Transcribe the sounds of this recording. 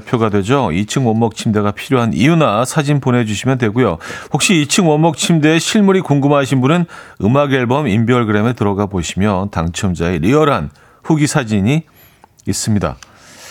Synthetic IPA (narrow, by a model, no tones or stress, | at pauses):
pʰjoɡadwe̞d͡ʑoit͡ɕʰɯŋwʌmːʌk̚t͡ɕʰimde̞ɡapʰiɾjoɦanḭjunasʰad͡ʑinpone̞d͡ʑuɕʰimjʌndwe̞ɡujoɸok̚ɕ͈iit͡ɕʰɯŋwʌmːʌk̚t͡ɕʰimde̞ːɕʰiɭmuɾikoŋɡɯmɦaɕʰinbunɯnɯmaɡeɭbʌmimbjʌɭɡɯɾe̞mɯɭtɯɾʌɡaboɕʰimjʌtaŋt͡ɕʰʌmd͡ʑaeɾiʌɾɦan | ɸuɡisʰad͡ʑiɲiː | s͈ɯmɲida̰